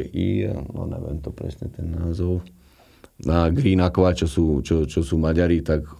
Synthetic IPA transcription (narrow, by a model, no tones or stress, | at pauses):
ʔḭnɔ̰nɛ̰ʋɛ̰mt̪ɔpɾɛ̰sɲɛt̪ɛnːaːzɔʊ | naɡɾinakʋat͡ʃɔsuːt͡ʃɔt͡ʃɔsuːmaɟaɾit̪ak